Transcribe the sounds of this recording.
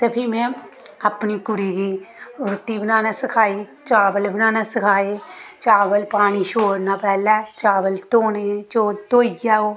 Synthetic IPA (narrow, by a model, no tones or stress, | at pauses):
t̪ɐbʰimẽɐpnikʊɽiːɡiːɾʊʈːibənaːnasɪkʰaːit͡ʃaːbəlbənaːnasɪkʰaːet͡ʃaːʋəlpaːñiʃoːɽnapɛːlɛːt͡ʃaːʋəlt̪oːnet͡ʃoːlt̪oːiɡaːoː